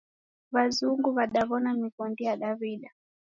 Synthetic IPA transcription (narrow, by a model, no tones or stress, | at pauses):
βazuŋɡuβaɗaβɔnamikɔndijaɗaβiɗa